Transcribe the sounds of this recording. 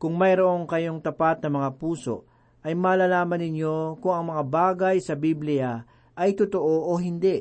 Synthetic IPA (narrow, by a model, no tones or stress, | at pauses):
kʊŋmɐjɾoʔoŋkɐjo̞ŋt̪ɐpat̪̚nɐmɐŋapuːso̞̰ʔ | ʔɐjmaːlalaːmɐnːɪɲjo̞kʊŋɐŋmɐŋabaːɡɐjsɐbiblɪjɐ | ʔɐjt̪ʊt̪oʔoʔoɦɪnd̪ɛʔ